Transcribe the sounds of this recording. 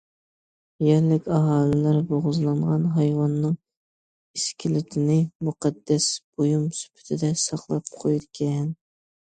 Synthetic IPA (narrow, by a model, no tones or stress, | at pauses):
jɛɾlɪkʲɑɦɑːlˠɨlæɾboʁʊzlˠɑɴʁɑnɦɑjwɑnːɨŋ | iskʲilɪt̪ʰɪnɪmuqɑd̪ːɛsb̥ojumsy̥pʰɪ̥t̪ʰɪd̪ɛsɑχlˠɑp̚qʰojuɾkʲʰɛn